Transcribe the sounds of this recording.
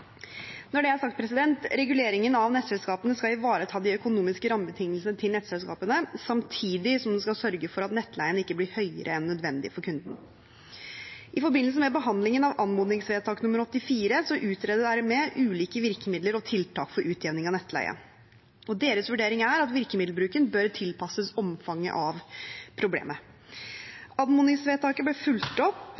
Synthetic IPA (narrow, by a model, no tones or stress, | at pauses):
nɔɖɛhæɾsɑkt̪pɾɛsɪd̪ɛnt̪ɾɛɡʉleːɾɪŋənɑʋnɛt̪sɛlskɑːpənəskɑlɪʋɑːɾət̪ʰɑːd̪ɪœkʊnuːmɪskəɾɑmːəbət̪ʰɪŋəlsənət̪ʰɪlnɛt̪sɛlskɑ̰ːpənəsɑmt̪ʰiːd̪ɪsɔmd̪ɛskɑlsœɾɡəfɔɾɑt̪nɛt̪ːlæɪənəɪkːəblɪɾhœʏə̰ɾʔəɛnːœd̪ʋɛnd̪ɪ̰fɔɾkʰʉnd̪n | ʔɪfɔɾbɪnls̬əmɛbəɦɑnd̪lɪŋənɑʋɑnmuːd̪nɪŋsʋeːt̪ʰɑːknʉmːəɾɔt̪ːɪfiːɾəsɔʔʉːt̪ɾɛːd̪əɖæɾmɛʔʉːliːkəʋɪɾkəmɪd̪ləɾɔt̪ʰɪlt̪ʰɑːkfɔɾʔʉːt̪ʰjɛʋnɪŋɑnɛt̪ːlæ̰ɪə̰n | ɔd̪eːɾəsʋʉɖeːɾɪŋæɾɑt̪ʋɪɾkəmɪd̪lbɾʉːkənbœɾt̪ʰɪlpɑsəsɔmfɑŋːə̰ʔɑʋpʰɾʊblḛːmə | ɑnmuːnɪŋsʋeːt̪ʰɑːkəblɛfʉlt̪ɔpː